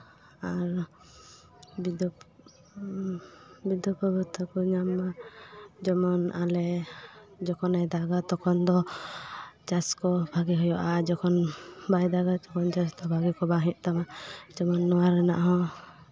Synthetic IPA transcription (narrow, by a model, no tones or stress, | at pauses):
aɾ | bid̪ɔ | bid̪ɔpɔbɔt̪ʰɔkɔɲamːa | d͡ʒɔmɔnalɛ | d͡ʒɔkɔnajd̪aɡat̪ɔkʰɔnd̪ɔ | d͡ʒaskɔbʱaɡiɦɔjɔʔad͡ʒɔkʰɔnbajd̪aɡatɔkɔnd͡ʒasd̪ɔbʱaɡikɔbaɦĩʔ̚t̪amad͡ʒɔmɔnːɔwaɾɛna̰ʔɦɔ̃